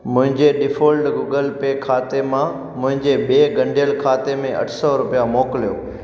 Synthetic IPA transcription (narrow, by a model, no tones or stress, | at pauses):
mʊ̃ɦɪ̃ɲd͡ʑeɖɪfoːlʈɡuːɡəlpeːkʰaːt̪emã | mʊ̃ɦɪ̃ɲd͡ʑeɓeːɡɐ̃ɳɖʱijəlkʰaːt̪emẽʔɐ̰ʈʰsɔɾʊpijamoːkɪlijoː